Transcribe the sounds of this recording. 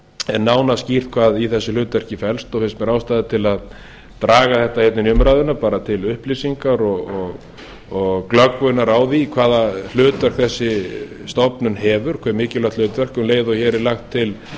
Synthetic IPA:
ɛnːaːwnascir̥t̪kʰvaːðiθɛsːɪlʏːt̪vɛr̥cɪfɛlst̪ɔθɪ̥smɛɾaːwst̪aːðɪt̪ʰɪlað | t̪ɾaːɣaθɛht̪ːahɛt̪nɪnʏmɾaːjðʏnapaːɾat̪ʰɪlʏhplisiŋkaɾɔɣɔɣ | ɔɣklœkvʏnaɾaːwðikʰvaːðal̥ʏːt̪vœr̥kθɛsːɪ | st̪ɔpnʏnɦɛːvʏɾ̥kʰɛɾmɪːcɪlat̪l̥ʏːt̪vɛr̥kʏmleːjðɔçɛːɾɪɾlaxt̪ʰːɪl

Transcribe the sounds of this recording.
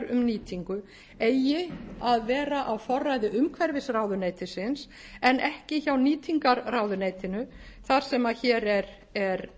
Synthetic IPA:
ɾʏmniːt̪ʰiŋkʏ | ejɪaðvɛːɾaʔawfɔrːajðɪʔʏmkʰvɛɾvɪsraːwðʏneːjt̪ɪsɪns | ɛnʔɛhcɪçawniːt̪ʰiŋkaɾraːwðʏneːjt̪ɪnʏ | θaɾ̥sɛmaçɛːɾɛɾ | ɛɾ

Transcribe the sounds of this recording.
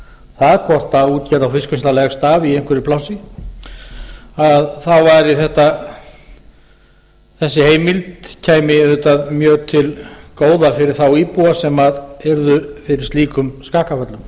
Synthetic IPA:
θaðkʰɔr̥t̪auːt̪cɛɾðawfɪskʏnst̪alɛɣst̪aːviejŋ̥kʰvɪɾɪpʰlawsɪ | aðθawvaɾiθɛht̪a | θɛsːɪheːjmɪlt̪cʰaːjmɪðɪt̪aðmjœːt̪ʰɪlkoːwðafɪɾɪɾ̥θawiːpuasɛmaðɛɾðʏfɪɾɪɾ̥st̪iːkʏmskaːkafœt̪lʏm

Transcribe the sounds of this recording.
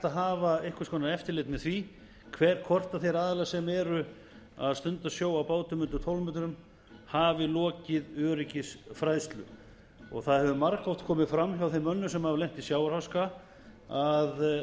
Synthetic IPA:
t̪aɦaːvaɪhkḁskʰɔːnaðɛft̪ɪɾlɪt̪mɛðθvi | kʰvɛɾ̥kʰɔr̥t̪aθejɾaːðɪlasɛmɛːɾʏ | aðst̪ʏnt̪asjoːwapaːwt̪ʏmʏnt̪ʏt̪ʰowlmʏt̪ʏɾʏm | haːvɪlɔːcɪðœːɾɪcɪsfɾajðst̪lʏ̰ | ɔ̰ɣθaðhɛvʏmaɾkɔwt̪kʰɔːmɪðfɾamːhjawθejmːœnːʏsɛmhavlejm̥t̪isjaːwɾ̥hawska | að

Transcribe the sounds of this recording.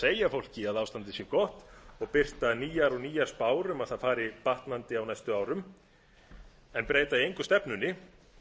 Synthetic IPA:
eːjafowl̥cɪaðawst̪ant̪ɪsjɛkɔht̪ɔɣpɪr̥t̪aniːjaɾɔɣniːjaɾ̥spaːwɾʏmaðθaðfaːɾɪpaht̪nant̪ɪawnajst̪ʏaːwɾʏm | ɛnpɾeːjt̪aiejŋkʏ̥st̪ɛpnʏnːɪ

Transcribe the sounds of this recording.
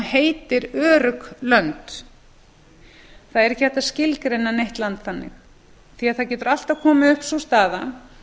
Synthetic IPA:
heːjt̪ɪɾœːɾʏklœnt̪ | θaðɛɾɛhcɪvɛht̪ascɪlkɾejnːanejht̪lant̪θanːɪ̰x | θiaðθaðcɛːt̪ʏɾal̥t̪aðkʰɔːmaʏhpsust̪aːða

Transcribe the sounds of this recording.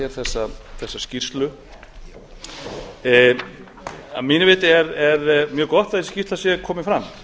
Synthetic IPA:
ɛɾ̥θɛsːaθɛsːascir̥st̪lʏ | amiːnɪvɪːt̪ɪɛɾɛɾmjœːɣkɔht̪aðiscist̪asjɛkʰɔːmɪfɾamː

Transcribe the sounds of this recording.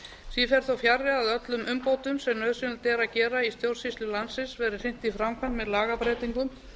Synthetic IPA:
sifɛɾ̥θawfjarːɪaðœt̪lʏmʔʏmpoːwt̪ʏmsɛmnœðsʏnʏlt̪ɛːɾacɛːɾaist̪jowr̥sislʏlansɪsvɛːɾɪɾ̥sɪn̥t̪ifɾamkʰvan̥mɛðlaːɣapɾɛːjt̪iŋkʏm

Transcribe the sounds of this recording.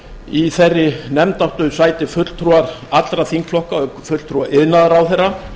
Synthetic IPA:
iθɛrːɪnɛmt̪aht̪ʏsaːjt̪ɪfʏt̪l̥t̪ʰɾuːaɾat̪lɾaθiŋkflɔhkafʏt̪lt̪ʰɾuaʔɪðnaðaɾawθɛra

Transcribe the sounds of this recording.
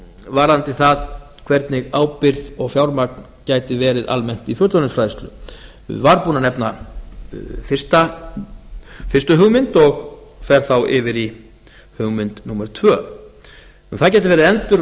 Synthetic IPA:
vaːɾant̪ɪθað | kʰvɛɾt̪nɪɣaːwpɪɾðɔɣfjawɾmak̚n | caːjt̪ɪvɛːɾɪðʔa̰lmɛn̥t̪ifjœt̪lɔnɪnsfɾaːjst̪lʏ̰ | vaɾpuːnanɛpna | fɪ̥st̪a | fɪrst̪ʏɦʏɣmɪnt̪ɔɣfɛɾ̥θawʔɪvɪɾi | hʏɣmɪnt̪numɛɾt̪ʰvœː | unθaðcajt̪ɪvɛːɾɪðɛnt̪ʏɾ

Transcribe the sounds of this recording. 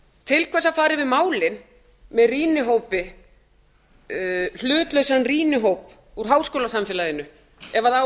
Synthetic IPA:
t̪ʰɪlkʰvɛsaðfaːɾɪvɪðmaːwlɪn | mɛðriːnɪɦoːwpɪ | l̥ʏːt̪lœɥsanriːnɪɦowp | uɾ̥ɦaːwskowlasamfɪːlaðɪnʏ | ɛvaða

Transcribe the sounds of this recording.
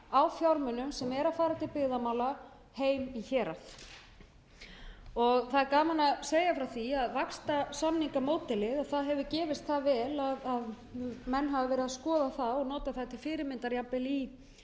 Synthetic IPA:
awfjaɾmʏnʏmsɛmɛɾaðfaːɾat̪ɪlpɪɣðamaːwla | heːjmiçɛːɾaθ | ɔɣθaðkaːmanaseːjafɾawθiaðvakst̪asamniŋkamoːwt̪ɪlɪðaθaðɦɛvʏcɛːvɪst̪θavɛːlaðað | mɛnːɦavɪvɛːɾɪðaðskɔːðaθaðɔɣnɔːt̪aθat̪ʰɪlfɪːɾɪɾmɪnt̪aɾjapːɪli

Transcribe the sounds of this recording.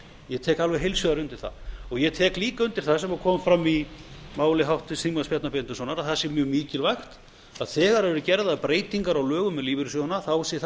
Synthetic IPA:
jɛt̪ʰɛːkalvɛjɦejlsjʏðaɾʏnt̪ɪɾ̥θa̰ðɔɣjɛt̪ʰɛːkliːkaʏnt̪ɪɾ̥θasɛmakʰɔːmfɾamːimaːwlɪɦawht̪ɪsimaspjɛt̪napent̪ʏsɔːnaɾaðθasɛmjœːɣmiːcɪlvajxt̪ | aðθɛːɣaɾɛvɛɾʏcɛɾðaðpɾeːjt̪iŋkaɾawlœːɣʏmɛðliːvɪɾsjonaθawsɛθ

